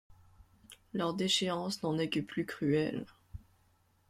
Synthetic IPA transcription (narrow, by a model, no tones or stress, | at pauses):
lœʁd̪eʃeɑ̃snɑ̃nɛkəplykχyɛl